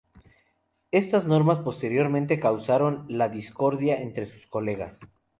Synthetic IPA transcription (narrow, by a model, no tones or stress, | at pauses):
e̞st̪azno̞ɾmaspo̞st̪e̞ɾjo̞ɾmẽnt̪e̞kawsaɾo̞nlaðisko̞ɾðjaent̪ɾe̞su̥sko̞le̞ɣa̰s